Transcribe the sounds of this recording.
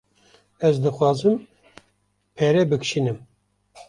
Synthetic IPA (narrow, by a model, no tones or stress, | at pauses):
ɛzd̪ɨxwɑːzɨm | pʰɛɾɛbɨkʃiːnɨm